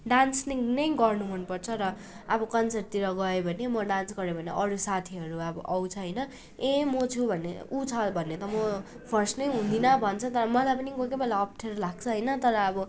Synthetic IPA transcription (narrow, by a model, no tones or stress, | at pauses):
ɖansniŋnʌjɡʌrnuɦunpʌrt͡sʰʌɾʌː | bʌkʌnsert̪iɾʌɡʌebʱʌnemʌɖansɡʌɾebʱʌneʔʌɾusat̪ʰiɦʌɾuʌbʌ̰ʔʌwt͡sʰʌɦʌjnʌ | emot͡sʰubʱʌnḛut͡sʰʌbʱʌnːet̪ʌmʌ | pʰʌrsʈnʌjɦũnd̪inʌbʱʌnt͡sʰʌt̪ʌɾʌmʌlajpʌniɡokebelaʌpʰʈʰeɾlaɡ̚t͡sʰʌɦʌjnʌt̪ʌɾʌːbʌ